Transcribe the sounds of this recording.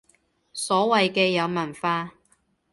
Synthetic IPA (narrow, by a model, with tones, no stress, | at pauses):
sɔː˨˥wɐ˨jkɛː˧jɐ˨˧wmɐ˨˩nfaː˧